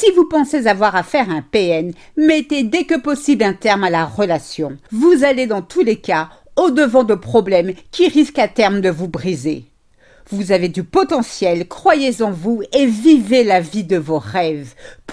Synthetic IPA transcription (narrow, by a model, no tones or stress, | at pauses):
sivupɑ̃sezavwaʁafɛʁɛ̃peɛn | mɛt̪ed̪ekəpɔsiblɛ̃t̪ɛʁmalaʁəlasjɔ̃vuzaled̪ɑ̃t̪uleka | od̪əvɑ̃d̪əpχɔblɛmkʲiʁiskat̪ɛʁmd̪əvubʁizḛ | vuzaved̪ypɔt̪ɑ̃sjɛlkχwajezɑ̃vuevivelavid̪əvoʁɛvp